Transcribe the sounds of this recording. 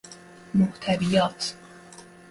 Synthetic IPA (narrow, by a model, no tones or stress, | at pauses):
moht̪ʰævijɒːt̪ʰ